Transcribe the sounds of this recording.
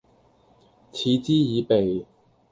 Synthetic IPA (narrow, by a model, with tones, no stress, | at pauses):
t͡sʰiː˨˧t͡siː˥jiː˨˧pe˨j